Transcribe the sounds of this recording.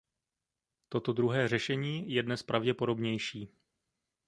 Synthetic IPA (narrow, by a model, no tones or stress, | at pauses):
t̪o̞t̪o̞dɾuɦɛːr̝ɛʃɛɲiːjɛdnɛspɾʔavɟɛpo̞ɾo̞bɲɛjʃiː